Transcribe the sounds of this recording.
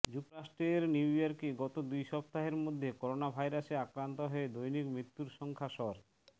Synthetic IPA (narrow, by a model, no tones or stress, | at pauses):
d͡ʑuk̚t̪oɾaʃʈɾeɾniwiaɾkeɡɔt̪od̪ujʃɔb̚t̪aɦeɾmod̪ʱːekɔɾonabʱajɾaseakɾant̪oɦɔed̪ojnikmɾit̪ːuɾʃɔŋkʰaʃɔɾ